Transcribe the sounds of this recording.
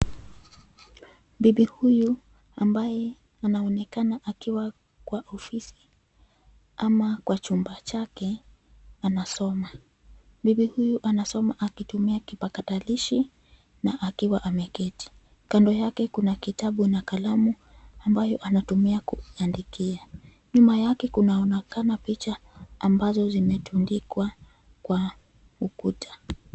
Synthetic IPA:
mbiɓihuju | ambajɛ | anaɔnɛkanaʔakiwa | kwaʔɔfisi̥ | amakwat͡ʃumbat͡ʃakɛ | anasɔma | mbiɓihujuʔanasɔmaʔakitumiakipakataliʃi | naʔakiwaʔamɛkɛti̥ | kandɔjakɛkunakitaɓunakalamu | ambajɔʔanatumiakuandikia | ɲumajakɛkunaɔnɛkanapit͡ʃaːmbazɔzimɛtundikwa | kwa | ukutʰḁ

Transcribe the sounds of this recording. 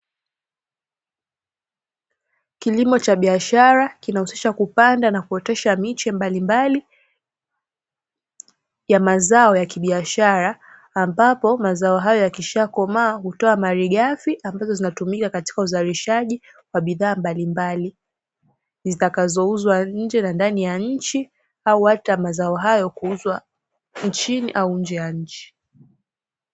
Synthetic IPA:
kilimɔt͡ʃaɓiaʃaɾakinahusi̥ʃakupandanakuɔtɛʃamit͡ʃɛmbalimbali | jamazaɔjakiɓiaʃaɾaː | mbapɔmazaɔɦajɔjakiʃakɔmaːɦutɔamaɾiɠafiʔambazɔzinatumikakati̥kauzaɾiʃaʄi | waɓiðaːmbalimbali | zitakazɔuzwaɲ̩d͡ʒɛnandanijaɲ̩t͡ʃi | auhatamazaɔɦajɔkuuzwa | n̩t͡ʃiniʔauɲ̩d͡ʒɛjaɲ̩t͡ʃi̥

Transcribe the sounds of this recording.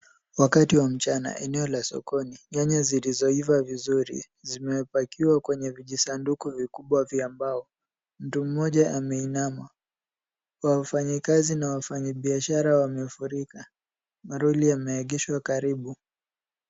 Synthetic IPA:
wakatiwam̩t͡ʃana̰ʔɛnɛɔlasɔ̰kɔniɲaɲazilizɔivavizuɾḭ | zimɛpakiwakwɛɲɛviʄisandukuvikuɓwaviambaɔ | m̩tum̩ːɔʄaʔamɛinama | wafaɲikazinawafaɲaɓiaʃaɾawamɛfuɾika | maɾuliamɛːɠɛʃwakaɾiɓu

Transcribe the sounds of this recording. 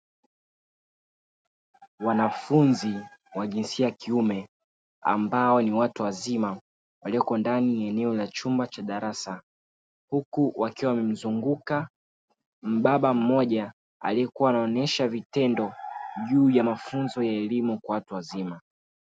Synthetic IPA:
wanafunziwaʄinsiakiumɛ | a̰mbaɔniwatuwazima | waliɔkɔndaniaɛnɛɔlat͡ʃumbat͡ʃaɗaɾasa | hukuwakiwawamɛm̩zuŋɡuka | m̩ɓaɓam̩mɔʄa | a̰liɛkuwaːnaɔnɛʃavitɛndɔʄuːjamafunzɔjaɛlimukwawatuwazima

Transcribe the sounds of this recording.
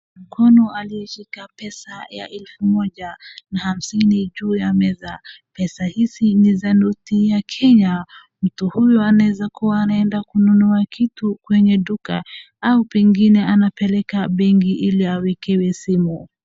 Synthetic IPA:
m̩kʰɔnɔaliɛʃikapɛsaja̰ʔɛlfumɔʄanaham̩siniʄuːjamɛza | pɛsahisinizanutijakʰɛɲa | m̩tuhujɔanawɛzakuwaːnaɛndakununuakʰitukwɛɲɛɗuka̰ | aupɛŋɡinɛanapɛlɛkaɓɛŋɡiʔiliawɛkɛwɛsimu

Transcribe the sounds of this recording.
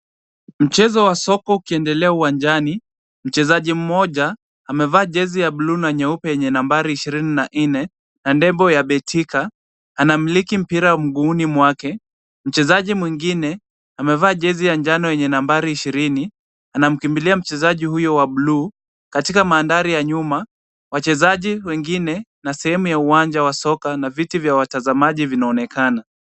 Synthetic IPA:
m̩t͡ʃɛzɔwasɔkɔukiɛndɛlɛauwand͡ʒani | m̩t͡ʃɛzaʄim̩mɔʄaː | mɛvaːʄɛzijaɓluːnaɲɛupɛjɛɲɛnambaɾiːʃiɾininaʔn̩nɛ | nandɛmbɔjaɓɛtʰika | anam̩likim̩piɾam̩ɡuːnimwakɛ | m̩t͡ʃɛzaʄimwiŋɡinɛ | amɛvaːʄɛzijaɲd͡ʒanɔjɛɲɛnambaɾiiʃiɾini | anam̩kimbiliam̩t͡ʃɛzaʄihujɔwaɓlu | katikamaːndaɾijaɲuma | wat͡ʃɛzaʄiwɛŋɡinɛnasɛhɛmujauwaɲd͡ʒawasɔkanavitivjawatazamaʄivinaɔnɛkana

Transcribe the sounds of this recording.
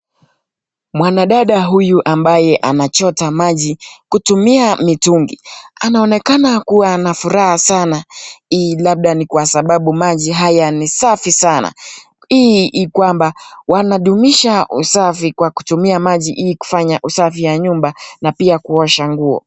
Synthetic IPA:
mwanaɗaɗaɦujuʔambajɛʔanat͡ʃɔtamaʄikutumiamituŋɡḭanaɔnɛkanakuwanafuɾahasanailaɓ̚ɗanikwasaɓaɓumaʄiɦajanisafisana̰ | iʔːkwambawanaɗumiʃaʔusafikwaku̥tumiamaʄiʔiku̥faɲaʔusafijaɲumbanapiakuɔʃaŋɡuɔ̰

